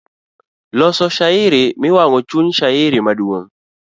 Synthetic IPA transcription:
lɔsɔʃaɪɾɪmɪwaŋɔt͡ʃuɲʃaɪɾɪmadwoŋ

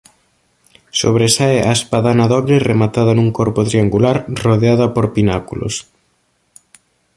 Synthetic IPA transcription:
so̰βɾesaeaespaðanɐðɔβɾɪremat̪aðɐnũŋkɔɾpʊt̪ɾiaŋɡulaɾroðeaðɐpoɾpinakulo̰s

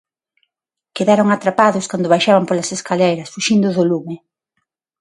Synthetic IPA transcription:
keðaɾʊŋat̪ɾapaðʊskand̪ʊβajʃaβampolɐseskalejɾɐsfuʃind̪ʊðolumɪ

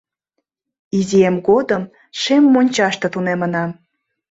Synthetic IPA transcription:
iziemɣod̪əm | ʃemːonʲt͡ɕɑʃt̪ɤ̆t̪unemənɑm

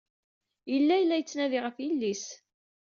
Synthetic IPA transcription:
jəlːæjlːæjət͡sːnæðiʁəfilːis

